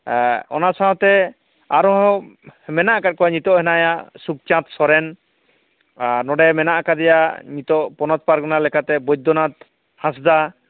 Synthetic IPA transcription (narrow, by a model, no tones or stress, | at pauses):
ɔ̰nasat̪ɛ | aɾɔ̃ɦɔmɛnaʔkat̚kɔwaɲit̪ɔʔɦɛnajaʔsuk̚t͡ʃãt̪sɔɾɛn | nɔɖɛmɛnaʔakad̪ɛjaɲit̪ɔʔpɔnɔt̪̚paɾknalɛkʰat̪ɛbɔjd̪ɔnat̪ | hãs̬d̪a